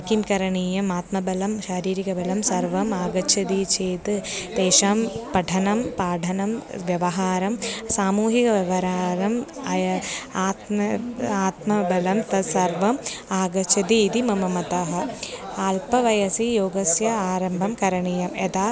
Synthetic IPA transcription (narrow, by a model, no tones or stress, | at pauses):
kimkɐɾɐɳiːjɐmaːt̪mɐbɐlɐmʃaːɾiːɾikɐbɐlɐmsɐɾʋɐmaːɡɐt͡ʃʰɐd̪it͡ʃʰeːt̪ɨt̪eːʃaːmpɐʈʰɐnɐmpaːɖʰʱɐnɐmʋjɐʋɐɦaːɾɐmsaːmuːɦikɐʋɐʋɐɾaːɾɐmɐjɐaːt̪mɐaːt̪mɐbɐlɐmt̪ɐsɐɾʋɐmaːɡɐt͡ʃʰɐd̪iːd̪imɐmɐmɐt̪ɐɦɐaːlpɐʋɐjɐsijoːɡɐsjɐaːɾɐmbʱɐmkɐɾɐɳiːjɐmet̪aː